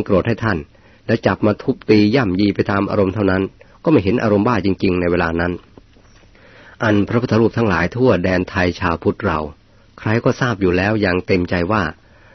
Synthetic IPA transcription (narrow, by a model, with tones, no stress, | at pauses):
kɾo˨˩t̪̚ha˥˩jt̪ʰa˥˩n | lɛː˦˥wt͡ɕa˨˩p̚maː˧t̪ʰu˦˥k̚t̪iː˧ja˥˩mjiː˧pa˧jt̪aː˧mʔa̰ː˧ɾo˧mt̪ʰa˥˩wna˦˥n | kɔː˥˩ma˥˩jɦe˩˦nʔa̰ː˧ɾo˧mbaː˥˩t͡ɕi˧ŋt͡ɕi˧ŋna˧jweː˧laː˧na˦˥n | ʔa˧npʰɾa˦pʰu˥˩t̪ʰːɾuː˥˩p̚t̪ʰa˦˥ŋlaː˩˦jt̪ʰu˥˩ɐdɛː˧nt̪ʰa˧jt͡ɕʰaː˧wpʰu˦˥t̪̚ɾa˧w | kʰɾa˦˥jkɔː˥˩saː˥˩p̚juː˨˩lɛː˦˥wjaː˨˩ŋt̪e˧mt͡ɕa˧jwaː˥˩